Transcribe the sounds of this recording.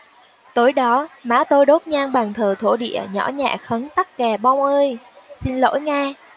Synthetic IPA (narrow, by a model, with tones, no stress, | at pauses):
t̪o˨˦jɗɔ˨˦ma̰ː˨˦t̪o˧jɗo˦˥t̚ɲaː˧ŋɓaː˨˩ŋt̪ʰəː˨˩t̪ʰo̰˧˩ɗḭ˧˨əɲɔ̰˧˥ɲa̰ː˧˨xə˨˦nt̪a˦˥k̚kɛ˨˩ɓɔ˧wŋ͡mʔəː˧j | si˧nlo̰˧˥jŋaː˧